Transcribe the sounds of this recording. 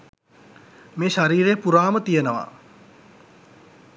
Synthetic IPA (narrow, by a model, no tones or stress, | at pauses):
meːʃaɾiːɾeəpuɾaːmət̪ijənəʋa̰